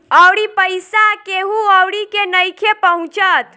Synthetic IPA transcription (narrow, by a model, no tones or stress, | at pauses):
əwɽipəjsakeɦuɔwɽikenəjkʰepəɦũt͡ʃət̪